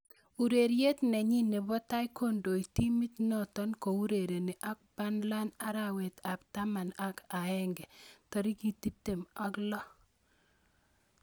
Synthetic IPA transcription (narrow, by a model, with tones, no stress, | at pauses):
u˨ɾe˨ɾje˦tnɛ˨ɲi˦ne˨bɔ˦ta˦i˦ko˦ndo˨i˨ti˦mi˦tnɔ˦tɔ˦nko˨u˦ɾe˨ɾe˨ne˨ʔa˦k̚ba˦nla˦na˦ɾa˨we˨t̪a˨pta˦ma˨na˦ka˨ɛ˦ŋɡɛ˨tɔ˨ɾi˦ki˦˨ti˦p̚te˨ma˦klɔ˦